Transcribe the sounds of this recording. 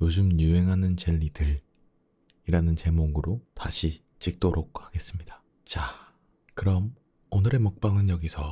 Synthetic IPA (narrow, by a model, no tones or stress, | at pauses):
jod͡ʑɯmjue̞ŋɦanɯnt͡ɕe̞ʎːidɯɾ | iɾanɯnt͡ɕe̞moɡɯɾotaɕʰi | t͡ɕ͈ik̚t͈oɾʔok̚haɡe̞s͈ɯmɲida | t͡ɕa | kɯɾʌm | onɯɾe̞mɯk̚p͈aŋɯnjʌɡisʰʌ